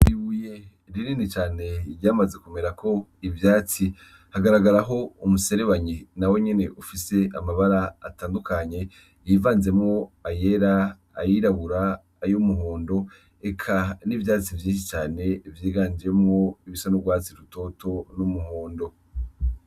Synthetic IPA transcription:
iβuje̞ | ɾiɾinit͡ʃaːne̞ɾjaːmaze̞kume̞ɾakʰo̞ivjaːt͡si | haɡaɾaɡaɾaɦo̞umuse̞ɾe̞βaɲinawe̞ɲe̞ne̞ʔufise̞ʔamaβaɾaːtaːndukaɲe̞ | jivaːnze̞mŋo̞aje̞ɾaː | jiɾaβuɾaː | jomuɦoːndo̞ | ekʰanivjaːt͡sivjiːnʃ̬it͡ʃaːne̞vjiːɡaːɲd͡ʒe̞mŋo̞iβisonobɡwaːt͡siɾuto̞tʰo̞numuɦoːndo̞

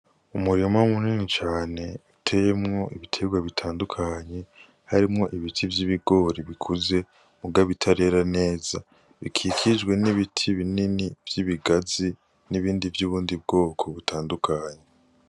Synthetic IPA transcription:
umuɾimamuniːnit͡ʃaːne̞utʰe̞jemŋo̞ʔiβitʰe̞ɡwaβitʰaːndukʰaɲe̞ | haɾimŋo̞ʔiβitʰivjiβiɡo̞ɾiβikʰuze̞ | muɡaβitʰaɾe̞ːɾane̞ːza | βikʰikʰid͡ʒɡwe̞niβitʰiβininivjiβiɡazi | niβiːndivjuːβuːndib̚ɡo̞ːkʰo̞βutʰaːndukʰaːɲe̞

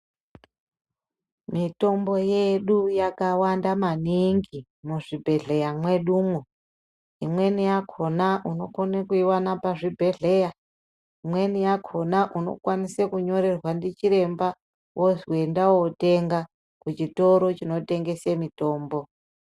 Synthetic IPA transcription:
mito̞mbo̞je̞ɗujakawandamaniŋɡi | muʐibʱe̞ɮe̞jamwe̞ɗuːmwo | imwe̞nijakʰo̞naʔuno̞konekuiwanapaʐibʱe̞ɮe̞ja | imwe̞nijakʰo̞naʔuno̞̰kwanisekuɲo̞ɾe̞rwandit͡ʃiɾe̞mba | wʔozwe̞ndawote̞ŋɡa | kut͡ʃito̞ɾo̞t͡ʃino̞te̞ŋɡe̞semito̞ːmbo̞

